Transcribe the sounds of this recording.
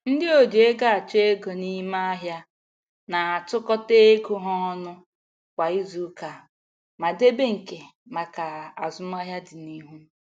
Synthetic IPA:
n̩˦dɪ˦o˨d͡ʒe˨e˦ɡa˦a˨t͡ʃe˦e˦ɡo˨ni˦ma˦a˦ɦja˦ | na˨a˨tʊ˦kɔ˦te˦ɡu˦ɦɔ˦nʊ˦ | kʷa˨i˦zu˨˦ka˨ | ma˨de˦be˦ŋ̩˨ke˨ma˨ka˨a˨zʊ˦m˦a˦ɦja˦dɪ˨ni˦ɦu˦

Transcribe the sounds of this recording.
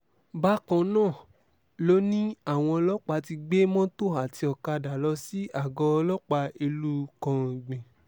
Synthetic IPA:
ba˦kɔ̃˧nãː˦˨ | lo˦nĩ˦a˦˨w̃ɔ̃˧ɔ˧lɔ˦k͡pa˧ti˧ɡ͡be˦mɔ̃˦to˦˨ɦa˨ti˧ɔ˧ka˧da˨lɔ˧˦si˦a˦˨ɡɔ˧lɔ˦k͡pa˧e˧lu˦kã˧˨ɡ͡bẽ˨

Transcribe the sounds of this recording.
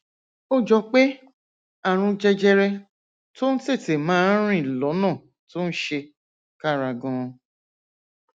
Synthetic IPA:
o˦d͡ʒɔ˧k͡pe˦ | a˦˨ɾ̃ũ˧d͡ʒɛ˧d͡ʒɛ˧ɾɛ˧ | to˦n̩˦te˦˨te˨mãː˨˦n̩˦ɾ̃ĩ˦˨lɔ˨˦nã˦˨ | to˦n̩˦ʃe˧ | ka˦˨ɾa˧ɡɔ̃˨˧

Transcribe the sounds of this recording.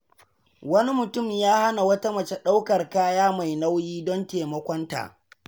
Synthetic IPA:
wɐ˦ni˦mʊ˨tʊ˦˨mjaː˦ha˦na˨wɐ˦ta˦mɐ˨t͡ʃe˦ɗa˦wkɐ˨rkaː˦jaː˦ma˨jna˦wjiː˦dɔ˦nteː˨mɐ˦kʷɔ˦nta̰ː˨

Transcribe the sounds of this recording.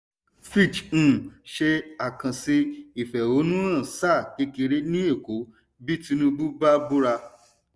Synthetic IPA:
fi˦˨t͡ʃ̩ː˦˨ʃe˧a˨kã˨si˧i˨fɛ˨o˨˦nũ˦ã˦˨sa˦˨ke˧ki˧ɾe˦nĩ˦e˦˨ko˨˦ | bi˦tĩ˧nũ˧bu˦ba˦bu˦ɾa˧

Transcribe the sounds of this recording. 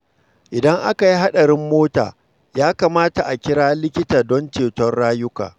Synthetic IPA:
ʔɪ˨dɐ˦ŋʔa˦ka˨ji˦ɦa˦ɗɐ˨ɾɪ˦mːoː˦ta̰ː˨ | jaː˦kaː˨maː˦ta˨ʔa˨kʲɪ˦ɽaː˦lɪ˦kʲɪ˦taː˨dɔ˦nt͡ʃeː˨tɔ˦rɽaː˦jʊ˦ka̰ː˨

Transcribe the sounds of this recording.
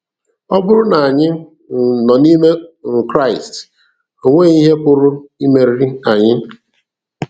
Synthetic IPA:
ɔ˦bʊ˦ɾʊ˦na˨a˨ɲɪ˦˨ | nɔ˨ni˦me˦ŋ̩˨kɾa˦˨ɪ˨st | o˨ŋʷe˦˨i˦ɦe˦pʊ˦ɾʊ˦i˦me˨ɾi˦a˨ɲɪ˦

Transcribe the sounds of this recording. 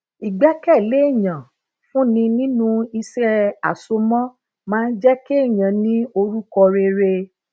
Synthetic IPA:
i˨ɡ͡bɛ˨˦kɛ˦˨le˨˦˨jã˨ | fũ˦nĩ˧nĩ˦nũ˦i˧sɾɛ˧a̰˨so˧mɔ̃˦ | mãː˦˧n̩˦d͡ʒɛ˦ke˦e˦˨j̃ã˨nĩ˦o˧ɾu˦kɔ˧ɾe˧ɾe˧

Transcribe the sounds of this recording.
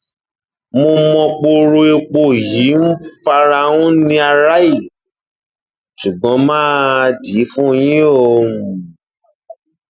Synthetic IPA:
mo˧mɔ̃˧k͡po˧ɾo˧e˧k͡po˦˨ji˨˦n̩˦fa˧ɾa˧ũ˦nĩ˧˦a˧ɾa˦i˦˨ | ʃu˨ɡ͡bɔ̃˨˦mãː˦˧di˨˦fũ˦jĩ˦o˦˧˨

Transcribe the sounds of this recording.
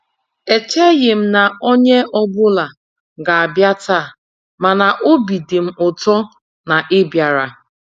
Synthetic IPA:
e˨t͡ʃe˦ɣɪ˨m̩˦na˨o˦ɲe˦ʔɔ˦bʊ˦la˨ | ɡa˨a˨bja˦ta˦˨ | ma˨na˨ʔo˦bi˨dɪ˨m̩˦ʊ˨tɔ˦ | na˨ʔɪ˦bja˨ɾa˨

